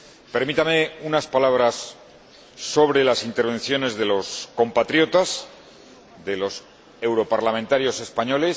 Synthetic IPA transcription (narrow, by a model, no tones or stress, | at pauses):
pe̞ɾmit̪ameunaspalaβ̞ɾasː | o̞βɾe̞lasint̪eɾβẽ̞nθjo̞ne̞zðe̞lo̞sko̞mpat̪ɾjo̞t̪as | ðe̞lo̞s | e̞wɾo̞paɾlamẽnt̪aɾjo̞se̞spaɲo̞le̞s